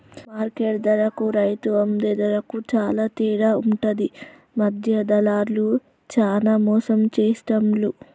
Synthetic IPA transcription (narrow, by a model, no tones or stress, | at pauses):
maːɾkeʈd̪ɐɾɐkuɾɐjt̪uɐmd̪ed̪ɐɾɐkut͡ʃaːlaːt̪iːɾaːuɳʈɐd̪i | mɐd̪ʱjɐd̪ɐlaːɾlu | t͡ʃaːlaːmɔːsɐmt͡ʃeːsʈɐmlu